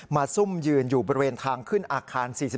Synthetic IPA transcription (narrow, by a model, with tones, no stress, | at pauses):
maː˧su˥˩mjɯː˧njuː˨˩bɔː˧ɾi˧weː˧nt̪ʰaː˧ŋkʰɯ˥˩nʔaː˧kʰaː˧nsiː˨˩si˨˩